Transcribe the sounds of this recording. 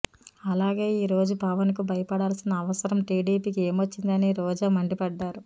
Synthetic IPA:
ɐlaːɡe̞ːiːɾo̞ːd͡ʒupɐʋɐnkubʱɐjɐpɐɽaːlsinɐːʋɐsɐɾɐmʈiːɖiːpiːke̞ːmʋot͡ʃːind̪ɐniɾɔːd͡ʒaːmɐɳɖipɐɖːaːɾu

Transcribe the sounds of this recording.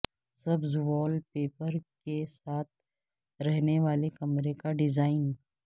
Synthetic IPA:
sɐbzʋɔːlpeːpəɾkesaːt̪̚ʰ | ɾɛɦneʋaːlekɐmɾekaɖɪzaːɪn

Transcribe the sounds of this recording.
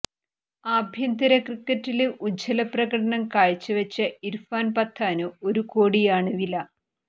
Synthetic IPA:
abʱjɐnd̪ɐɾɐkrikːɐtːilʔud͡ʑʱɐlɐprɐɣɐɽɐɳɐmkaːɻt͡ɕːɨʋɐt͡ɕːɐiɾfaːnpɐt̪ʰːaːnuo̞ɾukoːɽijaːɳɨʋilɐ

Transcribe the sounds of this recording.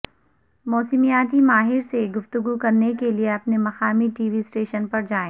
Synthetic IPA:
mɔːsɪmijaːt̪̬imaːɦɪɾseɡʊft̪ʊɡukɐɾnekelieɐpnemɐxaːmiʈiːʋisʈeːʃənpɐɾd͡ʒaːẽː

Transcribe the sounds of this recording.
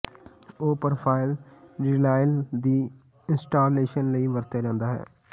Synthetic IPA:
oːpəɾpʰaːɪlɾilaːɪld̪iː | ɪnsʈaːɾleːʃənləiːʋəɾt̪jaːd͡ʒãːnd̪aːɦɛ̰ː

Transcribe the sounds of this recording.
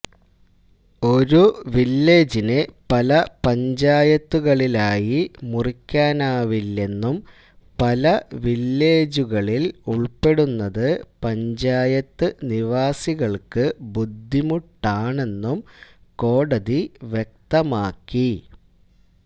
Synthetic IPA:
o̞ɾuʋilːe̞ːd͡ʑinɨpɐlɐpɐɲd͡ʑaːjɐt̪ːuɣɐɭilaːjimurikʲːaːnaːʋilːe̞nːum | pɐlɐʋilːe̞ːd͡ʑuɣɐɭiluɭpe̞ɽunːɐðɨpɐɲd͡ʑaːjɐt̪ːɨniʋaːsiɣɐɭkɨbud̪ʱːimuʈːaːɳe̞nːumko̞ːɽɐðiʋjek̚t̪ɐmaːkːi

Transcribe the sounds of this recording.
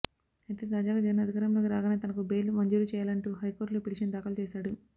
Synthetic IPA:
ɐjt̪eːt̪aːd͡ʒaːɡaːd͡ʒɐɐnɐd̪ʱikaɾɐmloːkiɾaːɡɐneːt̪ɐnɐkubejlumɐɲd͡ʒuɾut͡ʃɛːjaːlɐɳʈuɦɐjkoːɾʈloːpiʈiʂɐnd̪aːkɐlut͡ʃɛːʃaːɽu

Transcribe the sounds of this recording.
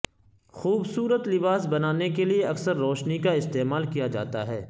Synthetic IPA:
xuːbsuːɾət̪lɪbaːsbɐnaːnekelieɐksəɾːoːʃnikaɪst̪eːmaːlkijad͡ʒa̰ːt̪aɦɛː

